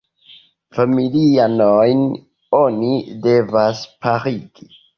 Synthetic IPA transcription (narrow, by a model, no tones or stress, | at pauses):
familianojn | o̞nide̞vaspaɾiɡ̥i